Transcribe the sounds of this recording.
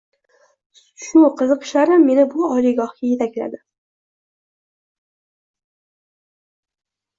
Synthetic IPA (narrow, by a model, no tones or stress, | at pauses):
ʃʊqʰɨzɨqʰɨ̥ʃlaɾɪmːe̞nɪbʊɒlɪɡɒhkʲaje̞t̪ʰakʲla̰d̪ɪ